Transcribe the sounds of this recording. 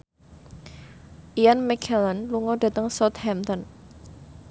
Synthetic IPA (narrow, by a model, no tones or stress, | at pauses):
ʔianmɛkʰɛlənluŋɔd̥ä̤t̪əŋsɔt̪̚hɛmt̪ɔn